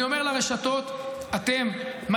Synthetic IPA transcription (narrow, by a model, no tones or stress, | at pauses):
io̞me̞ʁlaʁeʃato̞t̪ | at̪e̞mːa